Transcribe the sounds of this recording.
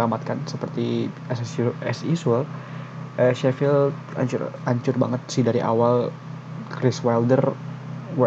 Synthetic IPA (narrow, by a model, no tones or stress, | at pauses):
amat̪̚kansəpərt̪i | ɛssɛsisɛl | əʃɛfɪlt̪̚ | a̰ɲt͡ʃʊ̰raɲt͡ʃʊrba̰ŋət̪̚sidaɾiʔa̰wal | kɾɪswɛldər | w